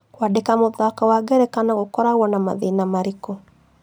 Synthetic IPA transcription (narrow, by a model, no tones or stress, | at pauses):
kwadekamoðakawaɡɛɾɛkanaɣokɔɾaɣwɔnama̰ðenamaɾiko